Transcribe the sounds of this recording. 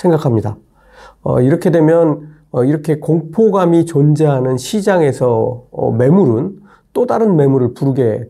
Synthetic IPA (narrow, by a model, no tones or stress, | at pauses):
sʰe̞ŋɡakʰamɲida̰ | ʌ̰iɾʌkʰe̞dwe̞mjʌn | ʌiɾʌkʰe̞koŋpʰoɡamit͡ɕʌnd͡ʑeɦanɯnɕʰid͡ʑaŋe̞sʰʌʌ̰me̞muɾɯn | t͈odaɾɯnme̞muɾɯɭpuɾuɡe̞